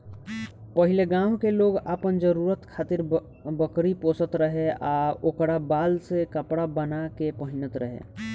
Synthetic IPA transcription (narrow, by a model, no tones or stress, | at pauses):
pəɦɪleɡãːʊkeloːɡaːpənd͡ʒəɾuːɾət̪kʰaːt̪ɪɾ | bəkɾipoːsət̪ɾəɦeaːokɽabaːlsekəpɽabənakepəɦɪnət̪ɾəɦḛː